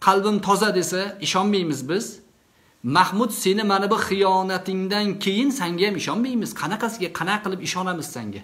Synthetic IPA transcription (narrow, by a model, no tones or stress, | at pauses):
qʰɑlˠbɪmt̪ʰɒzad̪e̞saɪʃɒnmajmɪzbɪz̥ | mahmʊd̪se̞nɪmanɪbʊχɨjɒnat̪ʰɪŋd̪ankʲʰejɪnsaŋɡʲajamɪʃɒnmajmɪz̥qʰɑnaqɑsɪɡʲaqʰɑnaqːɨlˠɪpɪʃɒnamɪz̥sa̰ŋɡʲa̰